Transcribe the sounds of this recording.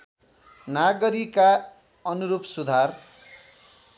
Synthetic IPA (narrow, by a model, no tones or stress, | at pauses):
naɡʌɾika | ʌnuɾupsud̪ʱar